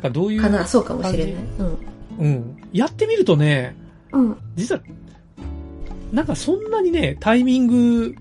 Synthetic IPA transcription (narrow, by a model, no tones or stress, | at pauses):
kad̪o̞ːjɯkanaːso̞ːka̰moɕiɾe̞naiɯ̟̃ɴɯ̟̃ɴjat̪ːe̞mʲiɾɯ̟t̪o̞ne̞ | ɯ̟̃ɴd͡ʑitt͡sɨβa | nãŋkasõ̞nːaɲ̟ine̞t̪ʰaimʲĩŋɡɯ̟